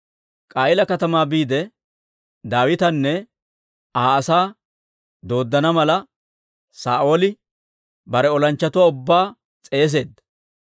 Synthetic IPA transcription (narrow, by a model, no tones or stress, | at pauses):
kʼaːɪlɐkɐt̪ɐmaːbiːd̪ɛ | d̪aːwɪt̪ɐnːɛ | aːɐsaː | d̪o̞ːd̪ːɐnɐmɐlɐ | saːʔo̞ːlɪ | bɐɾɛɔlɐnt͡ʃːɐt̪ʊwaːʊbːaː | t͡sʼe̞ːs̬e̞ːd̪ːɐ̥